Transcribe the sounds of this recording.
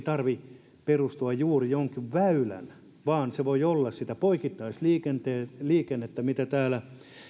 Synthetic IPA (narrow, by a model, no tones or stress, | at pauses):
t̪ɑrʋi | perust̪uɑjjuːrijoŋkiʋʋæylæ̰n | ʋɑːnseʋoiolːɑssit̪æpoikit̪ːɑisliːkent̪eːliːkenːet̪ːɑmit̪æt̪æːlæ